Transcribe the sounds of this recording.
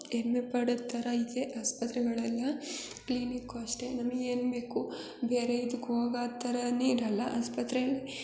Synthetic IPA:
emːepɐɽɐt̪ʰːɐɾɐid̪eʔaːspɐt̪ɾɛɡɐɭɐlːɐ | klinikːɐʂʈenɐmːɐɡeːnbeːku | beːɾeid̪ukɦoːɡaːt̪ːɐɾɐniːɾɐlːɐʔaːspɐt̪ɾɛɐɭi

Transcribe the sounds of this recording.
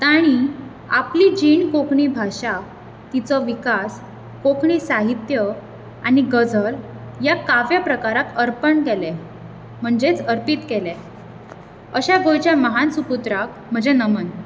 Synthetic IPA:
t̪aɽ̃i | a̰plid͡ʑiɳkokɳibʱaɕa | t̪it͡sɔʋikas | kokɳisaɦit̪jə | añiɡəd͡zʱəl | jakaʋjapɾəkaɾat̪əɾpəɳkele | m̤əɳd͡zet͡səɾpit̪kele | əɕaɡojt͡ɕjaməɦansuput̪ɾak̚ | m̤əd͡ʑenəmən

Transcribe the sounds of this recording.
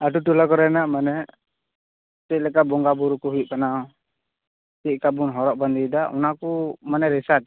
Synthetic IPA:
adut̪ulakɔɾɛnaʔmanɛ | t̪ɛlɛkabɔŋɡabuɾukuɦuiʔkanaɔ | t̪iʔkabunɦɔɾɔʔband̪idaʔṵnakumanɛɾɛsat̪̚

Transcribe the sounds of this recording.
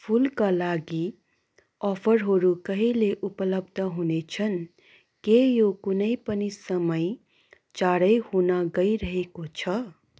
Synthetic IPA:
pʰulkalaɡi | ɔpʰəɾɦoɾukəɦileʔupələb̚d̪ʱəɦunet͡ʃʰən | kejokunəipənisəməj | t͡ʃaɾəjhunaɡəiɾəɦekot͡ʃʰʌ

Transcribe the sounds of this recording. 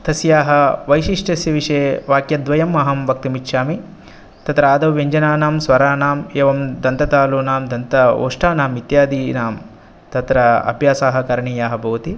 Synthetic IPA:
t̪ɐsjaːɦɐʋɐjʃiʂʈɐsjɐʋiʂeːʋaːkjɐd̪ʋɐjɐmɐɦɐmʋɐk̚t̪imitʃaːmi | t̪ɐt̪ɾaːd̪ɐʋeɲd͡ʒɐnaːnaːmsʋɐɾaːnaːmeːʋɐmd̪ɐnt̪ɐt̪aːluːnaːmd̪ʱɐnt̪ɐo̰ːʂʈaːnaːmit̪jaːd̪iːnaːm | t̪ɐt̪ɾɐɐ̰bʱjaːsaːɦɐ̆kɐɾɐɳiːjaːɦɐbʱɐʋɐt̪i

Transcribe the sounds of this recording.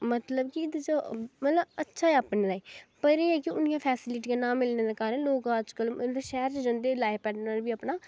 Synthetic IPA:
mət̪ləbkiɪd̪t͡ʃəmət̪ləbətːʃʰaːɛəpneːlaːpəɾiːɛːkɪʊnijãːpʰɛːsɪlɪʈiːkãːnãːmɪlneːd̪ekaːɾənloːkaəd͡ʒkələʃɛːɾt͡ʃd͡ʒə̃nd̪eːlaːepɛːɖəɾbiːəpnaː

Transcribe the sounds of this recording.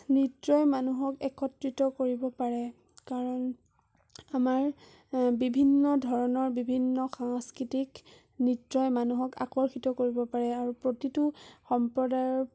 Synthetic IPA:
nitɹɔjmanuɦɔkɛkʰɔtɹitɔkoɹibɔpaɹɛ | kaɹɔn | amaɹ | bibʱinːɔdʱɔɹɔnɔɹbibʱinːɔxaŋskɹitik | nitɹɔjmanuɦɔka̰kɔɹxitɔkoɹibɔpaɹɛaɹupɹotituxɔmpɹɔdajɔ

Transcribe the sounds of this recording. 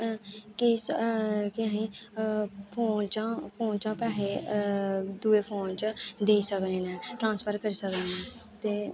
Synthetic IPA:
keskɪãːĩː | pʰoːnt͡ʃãːpʰoːnt͡ʃãːpɛːleː | d̪uːeːpʰoːnt͡ʃəd̪eːisəkneːnɛ̃ːʈɾãːnspʰəɾkəɾisək̪eːnɛ̃ː | t̪eː

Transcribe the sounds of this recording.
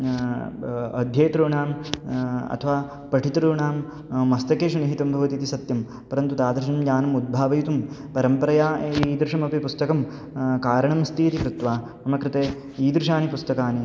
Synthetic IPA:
ɐd̪ʱjeːt̪ɾuːɳaːm | ɐ̰t̪ʰɐʋaː | pɐʈʰit̪ɾuːɳaːmː | ɐst̪ɐkeːʃɐniɦit̪ɐmbʱɐʋɐt̪it̪isɐt̪jɐm | pɐɾɐnt̪ut̪aːd̪ɾʃɐnɐmd͡ʒaːnɐmud̪̚bʱaːʋɐjut̪um | pɐɾɐmpɐɾɐjaːiːd̪ɾɪʂɐmɐpipust̪ɐkɐm | kaːɾɐɳɐmst̪iːt̪ikɾɪt̪ʋaː | ɐmɐkɾɪt̪eː | iːd̪ɾɪʂaːnipust̪ɐkaːni

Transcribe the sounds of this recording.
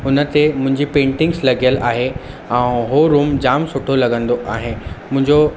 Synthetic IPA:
ɦʊnə̆t̪emʊ̃ɦɪ̃ɲd͡ʑipẽːɳʈɪ̃ŋɡslɐɡijəlʔaːɦe | ɛ̃ɦoɾuːmd͡ʑaːmsʊʈʰolɐɡə̃nd̪oʔaːɦenmʊ̃ɦɪ̃ɲd͡ʑo

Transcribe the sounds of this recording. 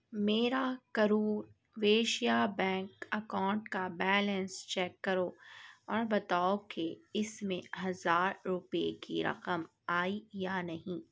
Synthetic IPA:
meːɾakɐɾuːɾ | ʋeːʃijabɛ̃ːŋkɐkãːʊɳʈkabɛːlə̃nst͡ʃɛːkːɐɾoːɔːɾbɐt̪aːokeɪsmẽɦɐzaːɾːʊpḛkḭɾɐ̰qəm | aːijanɐɦĩː

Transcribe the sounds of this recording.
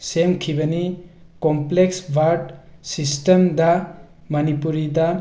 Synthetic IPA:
semkʰibɐni | kompleksbʱaɾɖsistemdɐ | mɐnipuɾidɐ

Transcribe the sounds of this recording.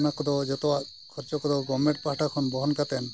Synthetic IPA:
nakɔd̪ɔd͡ʒɔt̪ɔa | kʰɔɾt͡ʃɔkɔd̪ɔɡɔmeʈ̚paʈʰakʰɔnbɔɦɔnkat̪ɛn

